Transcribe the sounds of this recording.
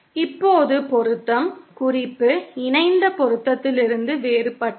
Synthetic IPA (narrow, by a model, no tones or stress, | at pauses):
ɪpːoːðɯpɔɾɯt̪ːɐmkʊrɪpːɯɪɳɐɪnd̪ɐpɔɾɯt̪ːɐt̪ːɪlɪɾɯnd̪ɯʋeːɾɯpːɐʈː